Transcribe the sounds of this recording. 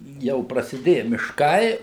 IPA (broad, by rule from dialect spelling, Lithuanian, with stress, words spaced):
ˈjɛʊ prɐsʲɪˈdʲeːjɛ mʲɪʃˈkɐɪ